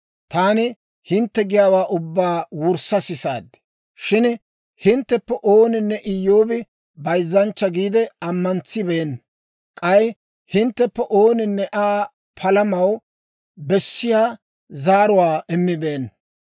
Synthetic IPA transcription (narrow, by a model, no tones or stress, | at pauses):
t̪aːnɪ | hɪnt̪ːɛɡɪjaːwaːʔʊbːaːwʊɾsɐsɪsa̰ːd̪ɛ̥ | ʃɪn | hɪnt̪ːɛpːɛʔoːnɪnːɛʔɪjːo̞ːbɪ | bɐjzːɐnt͡ʃːɐɡiːd̪ɛɐmːɐnt͡sːɪbeːn | kʼɐj | hɪnt̪ːɛpːɛʔoːnɪnːɛʔaː | pʰɐlɐmɐw | bɛsːɪjaː | zaːɾʊwaːʔɪmːɪbeːn